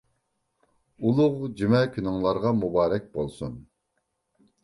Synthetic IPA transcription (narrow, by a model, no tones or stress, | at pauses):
ulˠʊʁd͡ʒymɛkʲʰynɪŋlˠɑɾʁɑmubɑːɾɛk̚ʲbolˠsun